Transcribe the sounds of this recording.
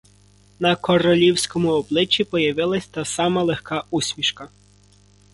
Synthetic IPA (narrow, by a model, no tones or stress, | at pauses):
nɐkɔɾɔlʲiwsʲkɔmʊɔblˠɪt͡ʃːipɔjɐʋɪlˠɐsʲt̪ɑsɑmɐlˠexkɑusʲmʲiʃkɐ